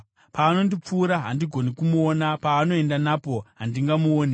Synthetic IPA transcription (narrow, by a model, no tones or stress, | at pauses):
paːno̞ndip͡fuːɾaɦandiɡʱo̞nikumuonapaːno̞e̞ndanapo̞ɦandiŋɡamuoːne